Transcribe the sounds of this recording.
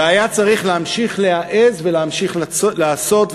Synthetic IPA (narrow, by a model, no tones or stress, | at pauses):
ajat͡saʁiχleamʃiχleaʔezveleamʃiχlaːso̞t̪v